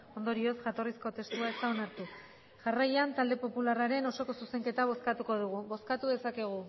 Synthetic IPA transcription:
o̞nd̪o̞ɾio̞sʝat̪o̞risko̞t̪e̞st̪uae̞st̪ao̞naɾt̪u | ʝarajant̪ald̪e̞po̞pularaɾe̞no̞so̞ko̞suse̞ŋke̞t̪aβ̞o̞skat̪uko̞ðuɣ̞uβo̞skat̪uðe̞sake̞ɣ̞u

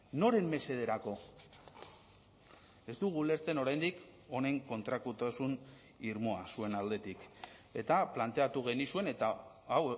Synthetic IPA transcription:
no̞ɾe̞mːe̞se̞ð̞e̞ɾako̞ | e̞zd̪uɣ̞ule̞ɾt͡se̞no̞ɾajnd̪iko̞ne̞ŋko̞nt̪ɾakut̪asun | iɾmo̞asue̞nald̪e̞t̪ike̞t̪aplant̪e̞at̪uɣe̞nisue̞ne̞t̪aː | w

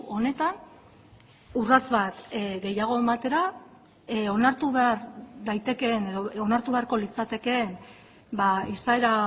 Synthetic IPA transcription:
o̞ne̞t̪an | urazβat̪ɡe̞jaɣ̞o̞emat̪e̞ɾa | o̞naɾt̪uβe̞aɾðajt̪e̞ke̞ne̞ðoonaɾt̪uβe̞aɾko̞lit͡sat̪e̞ke̞m | baisaeɾa

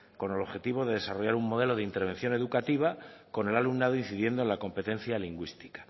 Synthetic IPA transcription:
ko̞ne̞lo̞βxe̞t̪iβ̞o̞ðe̞ðe̞saro̞ʝaɾuŋmːo̞ð̞e̞lo̞ðeint̪eɾβ̞e̞nθjo̞ne̞ðukat̪iβ̞ako̞ne̞lalumnað̞oin̟θiðje̞nd̪onlako̞mpe̞t̪ẽ̞n̟θjaliŋɡwist̪i̥kḁ

